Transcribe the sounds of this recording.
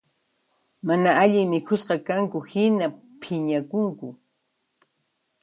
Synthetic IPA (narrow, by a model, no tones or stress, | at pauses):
manaaʎɪŋmɪkʰʊsqɑkaŋkʊhɪna | pʰɪɲakʊŋkʊ